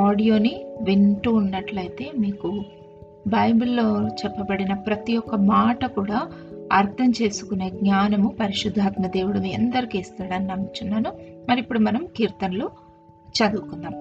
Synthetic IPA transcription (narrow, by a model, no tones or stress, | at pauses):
aːɽijo̞ːniʋiɳʈuːnːɐʈlɐjt̪e̞ːmiːku | bʱɐjbulːoːt͡ʃɛpːɐbɐɽinɐpɾɐt̪ijɔkːɐmaːʈɐkuːɽaːɐɾt̪ʰɐmt͡ʃe̞ːsu̥kune̞ːɡɲaːnɐmupɐɾiʃud̪ʱːaːt̪mɐd̪e̞ːʋuɽɐniɛnd̪ɐɾikiːst̪aːɽaːninɐmːit͡ʃunːaːnumɐɾipːuɽumɐnɐmkiːɾt̪ɐnlu | t͡ʃɐd̪ukund̪aːm